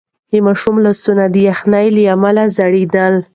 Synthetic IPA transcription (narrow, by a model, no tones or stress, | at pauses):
d̪əmaʃumlasunad̪əjaxnajləamalazaɽed̪əl